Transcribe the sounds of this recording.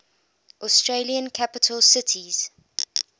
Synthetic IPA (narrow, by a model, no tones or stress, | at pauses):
ʔɔstɹeliə̃nkʰapɪtʰəlˠsɪtʰiz̥